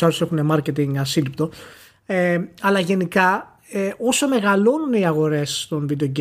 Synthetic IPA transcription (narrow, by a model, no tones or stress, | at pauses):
ɐɾuse̞xune̞mɐɾcet̪iŋɡɐsilipt̪o̞ | eɐlɐʝe̞nikɐ | eʔo̞some̞ɣɐlo̞nuniɐɣo̞ɾe̞st̪o̞nvid̪eoɟe